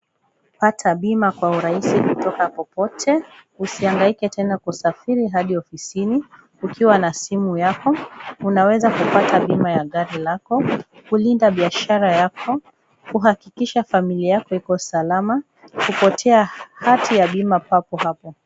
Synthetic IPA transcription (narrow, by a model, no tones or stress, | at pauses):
patʰaɓimakwauɾaisikutɔkapɔpɔtʰɛusiaŋɡaikɛtʰɛnakusafiɾiɦaɗiɔfisini | ukiwanasimujakɔunawɛzakupataɓimajaɠaɾilakɔkulindaɓiaʃaɾajakʰɔ | kuɦakikiʃafamiliajakɔikɔsalama | kupɔtʰɛahatijaɓimapapɔhapɔ